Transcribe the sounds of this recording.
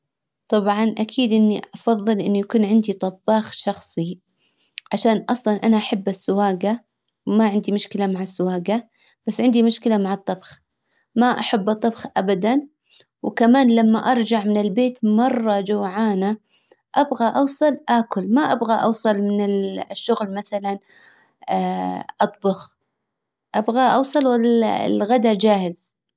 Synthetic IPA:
t̪ˤɑbʕɑnʔakʰiːd̪ʔɪnːiʔʔɑfɑðˤːɨlʔɪnːujakuːnʕɪnd̪it̪ˤɑbːɑːxʃɑxsˤi | ʕaʃaːnʔɑsˤlɑnʔanaʔaħabːasːʊwaːɡa | wmaʕɪnd̪imʊʃkɪlamaʕasːʊwaːɡa | b̥asːʕɪnd̪imʊʃkɪlamaʕɑt̪ˤːɑbx | maʔaħabːɨt̪ˤːɨbxʔabad̪an | wkamaːnlamːaʔɑɾˤd͡ʒaʕmɪnɪlbeːt̪mɑrˤːɑd͡ʒawʕaːna | ʔabɣaʔɑwsˤɨlʔaːkʊlmaʔabɣaʔɑ̰wsˤɑlmɪnɪlʃːʊɣlmaθalanː | ʔɑt̪ˤbʊx | ʔabɣaʔɑwsˤɨlwalaɪ̰lɣad̪ad͡ʒaːhɪz

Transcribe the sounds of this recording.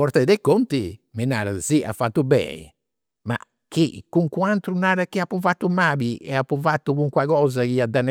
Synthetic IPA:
ɔɾt̪ɛd̪ɛkːont̪imɛna̰ːɾa̰ziʔa̰fːat̪ːubɛ̰ḭ | ma̰ | kʰːḭkːuŋkuant̪ɾunaːɾakiapːufat̪ːumaːbiɛ̰apːuvat̪ːukuŋkwakɔːzakiad̪anː

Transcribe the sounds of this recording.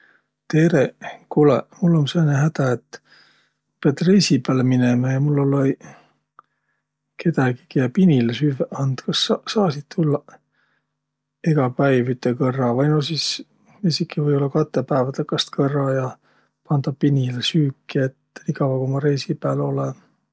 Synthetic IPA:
t̪e̞ɾekulemulːo̞nseːnehæd̪̥æet̪ː | peɑt̪rejsipæːlminemɑjɑmulːolːe | kʰe̞t̪ɑɡi̥kijɑpinilesyveɑnd̪̥kɑssɑːsid̪̥̚t̪ulːɑ | eɡ̥ɑpæjvyt̪ːekɤrːɑvɑjnosis | esikːˑivɤjo̞lːɑkɑt̪ːˑepæːvɑt̪ekːˑɑst̪kɤrːɑjɑ | pɑnd̪̥ɑpinʲilesyːkːˑiet̪ːnikɑwɑkomɑɾe̞jsipæːlo̞le

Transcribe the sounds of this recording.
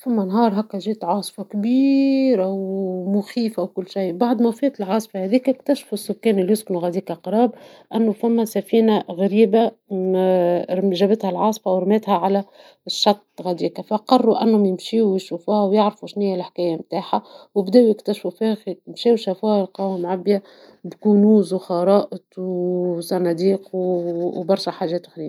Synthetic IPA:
fæmːænɦɑːɾˤɦækːæʒiːt̪ʕɑːsˤfɑkbiːɾʔæwmʊxiːfawkʊlːʃajbɑʕd̪ˤmæfiːt̪ɪlʕɑːsˤfɑhæðiːkɪkt̪æʃfusːʊkːæːnɪlːjʊsknuɣæd̪iːkæqɾˤɑːbʔænːʊfæmːæsæfiːnaɣæɾiːba | ʒæbɪt̪hælʕɑːsˤfawɾmæːt̪hæʕalæ | ʃːɑt̪ˤːɣæd̪iːkafæqɑrˤːuʔænːhʊmjɪmʃiːwjʃuːfuːhæwjɪʕɾfuʃnɪjːælħkæːjamt̪aːħawɪbd̪ɛːʔwjɪkt̪æʃfufixmʃiːwʃæfuːhælqɑwamʕabːja | bkuːnuːzwxɑɾˤɑːʔɪt̪wsˤɑnɑd̪iːq | bɑɾˤʃæħaːʒɛːt̪xɾiː

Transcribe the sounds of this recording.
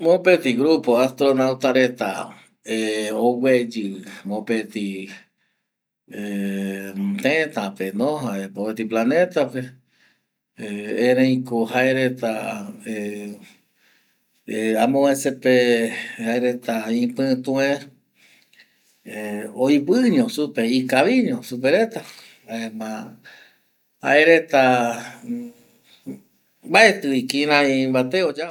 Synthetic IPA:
mopet̪iɡɾupoast̪ɾonawt̪aɾet̪a̰ | eowed͡ʒɨɨmõpet̪i | e | t̪ẽt̪apenõɦaepopet̪iplanẽt̪ape | ẽɾẽj̃kohaeɾet̪ae | amõesepehaeɾet̪aĩpɨ̃t̪ũẽ | ojβɨɲõsupeikaβiɲõsupeɾet̪a | aemã | ha̰eɾet̪a | baet̪ɨikĩɾãĩbat̪eod͡ʒa

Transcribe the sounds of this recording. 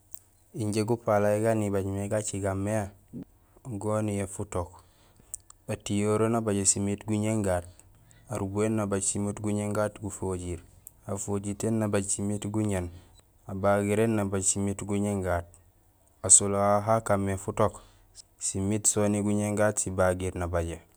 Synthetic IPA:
iɲɟeɡupalaeɡanibaɟmeɡat͡ʃiɡamːea | ɡonijefutok | atijoɾonabaɟesimitɡuɲeŋɡaːt̚ | aɾubuenːabaɟsimitɡuɲeŋɡatɡufoɟiɾ | afoɟitenːabaɟsimitɡuɲen | abaɡiɾenːabaɟsimitɡuɲeŋɡaːt̚ | asoloaɦakamːefutok | simitsoniɡuɲeŋɡaːtsibaɡiɾnabaɟe

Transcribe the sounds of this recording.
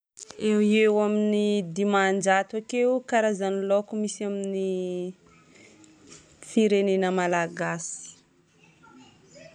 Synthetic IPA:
ewewaminid̪imand͡ʒat̪wakewkaɾazanilokumisamini | fiɾenenəmalaɡasi̥

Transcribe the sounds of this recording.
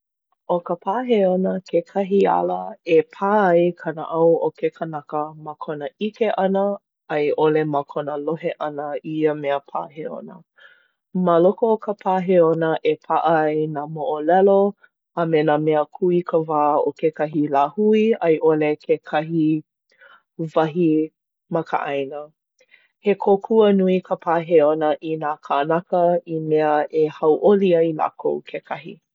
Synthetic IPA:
okəpʰaːɦeonəkʰekʰɐɦia̰ləepʰaːjkʰɐnə̰ʔɐwʔokekʰənɐkəməkʰonəikeʔɐnə | ɐjʔoleməkʰonəloɦeʔɐnəiəmeəpʰa̰ːɦeo̰nə | məlokoːkəpʰaːɦeonəʔepʰaʔɐjnamoʔolɛlo | amenamɛəkʰuikʰəvaːokekɐɦilaːhuiɐjʔolekʰekʰɐɦi | vɐɦi | mɐkə̰ʔajnə | hekʰokʰuənuikʰəpʰaːɦeonəʔinaːkʰanakəimeəʔehɐwʔoliaila̰ːkʰowkʰekʰɐɦḭ

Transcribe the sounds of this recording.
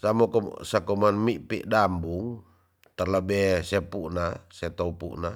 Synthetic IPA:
samɔkɔsakɔmanmiʔpḭʔdambuŋ | t̪arlabɛsɛpuʔnasɛt̪ɔupṵʔna

